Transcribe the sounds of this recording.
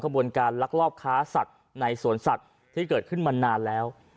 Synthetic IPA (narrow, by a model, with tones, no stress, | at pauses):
kʰa˧bu˧ənkaː˧nla˦˥k̚ɾɔː˥˩p̚kʰaː˦˥sa˨˩t̪̚ | na˧jsu˨˩˦ənsa˨˩t̪̚ʰːiː˥˩kɤː˨˩t̪̚kʰɯ˥˩nma˧nːaː˧nlɛː˦˥w